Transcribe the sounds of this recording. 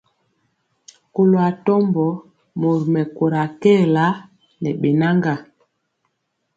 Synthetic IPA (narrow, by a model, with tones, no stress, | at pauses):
ko˨lo˨a˨tɔ˦mbɔ˨˦ | mo˨ɾi˨mɛ˨ko˨ɾa˨kɛ˦˨la˦ | nɛ˨ɓe˨na˦ŋɡa˨